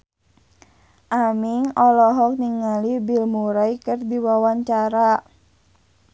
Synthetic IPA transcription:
ʔamiŋɔlɔɦɔk̚niŋalibilmuɾaikərdiwawaɲt͡ʃaɾa

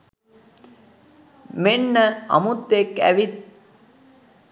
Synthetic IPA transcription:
menːəa̰mut̪ːekæ̰ʋit̪̚

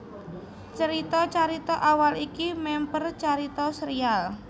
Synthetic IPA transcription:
t͡ʃəɾit̪ɔt͡ʃaɾit̪ɔʔawalikimɛmpərt͡ʃaɾit̪ɔsəɾial

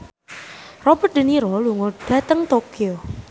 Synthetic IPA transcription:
rɔbərt̪̚də̤niɾɔluŋoɖ̥a̤t̪əŋt̪okio

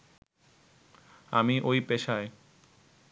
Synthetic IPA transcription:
a̰miʔojpeʃae

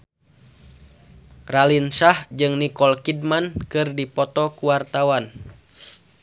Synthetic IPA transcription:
ralinsahd͡ʒɨŋnikɔlkidmankɨrdipɔt̪ɔkuwart̪awan

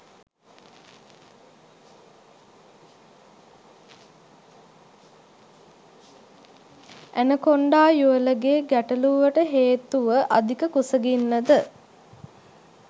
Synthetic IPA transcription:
ænəkoɳɖaːjuələɡeːɡæʈəluːʋəʈəɦeːt̪uʋəʔad̪ʱikəkusəɡinːəd̪ə

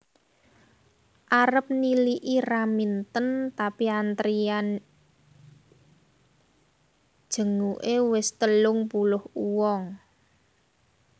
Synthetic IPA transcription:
ʔaɾəp̚niliʔiramint̪ənt̪apiant̪ɾian | d̥ʒ̥ə̤ŋuʔewɪst̪əlʊŋpulʊhuwɔŋ

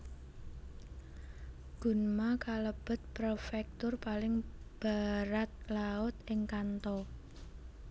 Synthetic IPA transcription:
ɡ̥ṳnmakaləb̥ə̤t̪̚pɾofɛk̚t̪ʊrpalɪŋb̥a̤ɾat̪̚laʊt̪ʔɪŋkant̪ɔ

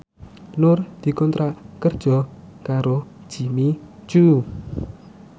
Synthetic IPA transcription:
nʊrd̪̥i̤kɔnt̪ɾakərd̥ʒ̥ɔ̤kaɾod̥ʒ̥i̤mi̥d͡ʒ̥uʔu

